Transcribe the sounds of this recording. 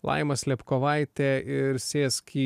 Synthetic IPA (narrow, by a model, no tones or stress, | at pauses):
lˠɐ̰ɪmɐsʲlʲɛpkoʋɐɪt̪ʲɛɪɾsʲeːskʲʰiː